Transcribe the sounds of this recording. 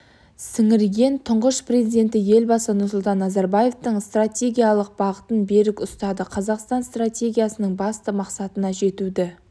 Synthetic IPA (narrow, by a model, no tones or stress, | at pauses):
sɪŋɪɾɡʲe̞nt̪ʰʊɴʁəʃpre̞zid̪e̞nt̪ɪje̞lbɑsənʊɾsʊlˠt̪ɑnːɑzɑɾbaje̞ft̪əɴst̪ratʲe̞ɡʲijalˠəq̚b̥ɑʁət̪ənbe̞ɾɪkʊst̪ɑd̪əqʰɑzɑqst̪ɑnst̪ratʲe̞ɡʲijasənəɴbɑst̪əmɑqsɑt̪ənɑʒe̞t̪ud̪ɪ